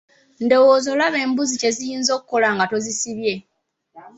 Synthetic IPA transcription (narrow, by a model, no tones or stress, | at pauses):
ndo̞woːzo̞laβe̞ːmbuzice̞zijiːnzo̞kuko̞laŋɡato̞zisiβje̞